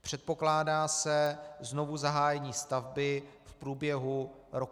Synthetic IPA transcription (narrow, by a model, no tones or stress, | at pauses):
pr̝̥ɛt̪̚po̞klaːdaːsɛzno̞vuzaɦaːjɛɲiːst̪avbɪfpɾuːbjɛɦuɾok